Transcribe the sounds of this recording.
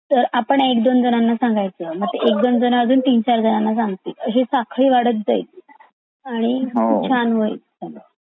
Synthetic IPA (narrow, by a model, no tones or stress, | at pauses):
t̪əɾapəɳekd̪ond͡zənanːasãŋɡajt͡səːməɡ̚t̪eʔek̚d̪ond͡zənaəd͡zuːnt̪iːnt͡ɕaɾd͡zənanːasãŋɡt̪iːt̪əɕesakʰɭiːʋaɽət̪̚d͡za̰it̪̚ | aɽ̃ikut͡ɕʰanʋəj̰tane